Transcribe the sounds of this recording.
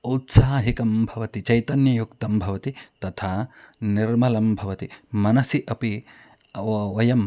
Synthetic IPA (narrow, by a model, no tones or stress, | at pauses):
ut̪saːɦikɐmbʱɐʋɐt̪it͡ʃɐjt̪ɐnjɐjukt̪ɐmbʱɐʋɐt̪it̪ɐt̪ʰaːniɾmɐlɐmbʱɐʋɐt̪imɐnɐsiʔɐpi | ʋɐjɐm